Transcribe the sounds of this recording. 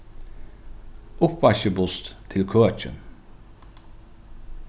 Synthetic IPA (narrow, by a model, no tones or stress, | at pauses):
ʊpʋɑçəbʊst̪t̪ʰɪlkʰøːœt͡ʃə̰n